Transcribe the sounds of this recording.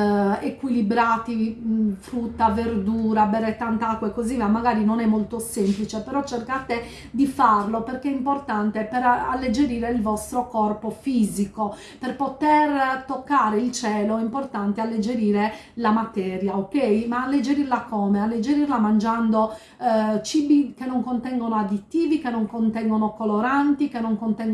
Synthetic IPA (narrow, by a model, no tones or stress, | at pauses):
ekwilibɾaːt̪ifɾut̪ːaverd̪uːɾabɛrɛt̪ːant̪akːwaekːoziamːaɣaːɾinonɛmːolt̪osemplit͡ʃepɛɾɔt͡ʃːerkat̪e | d̪ifarloperkɛimport̪ant̪epɛɾa̰lːed͡ʒeɾiːɾeilvɔst̪ɾokɔrpofiːziko | perpot̪ert̪okːaːɾeilt͡ʃɛːloɛimport̪ant̪ealːed͡ʒeɾiːɾelamat̪ɛːɾjaokːɛjmaːlːed͡ʒeɾirlakɔːmealːed͡ʒeɾirlamand͡ʒand̪o | t͡ʃibikenːoŋkont̪ɛŋɡonoad̪it̪ːiːvikenːoŋkont̪ɛŋɡonokoloɾant̪ikenːoŋkont̪ɛŋɡ